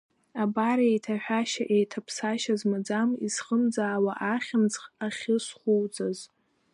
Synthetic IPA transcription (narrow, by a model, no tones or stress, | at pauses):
abaɾejtʰaħᶣaʃaʔejtʰapʰsaʃazmad͡zamisχəmd͡zaːwaʔaχʲɪnt͡sχaχʲɪsχʷuwd͡zaz